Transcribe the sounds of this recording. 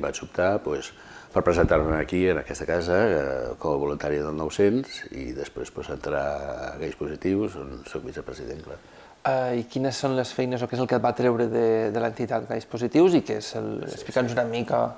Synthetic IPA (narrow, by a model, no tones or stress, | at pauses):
bat͡ʃup̚t̪apwɛs | pəɾpɾəzənt̪aɾməəkiənəkɛst̪əkazəkɔməβulunt̪aɾiəðəlˠnɔwsenzḭðəspɾespɔzənt̪ɾaɣajspuzit̪iwzonsɔk̚bisəpɾəziðenkla | aikinəsːonləsfɛjnəzokezəlˠkət̪̚bat̪ɾɛwɾəðəðələnt̪it̪at̪ɣajspuzit̪iwzikezələ̰ksplikanuzunəmika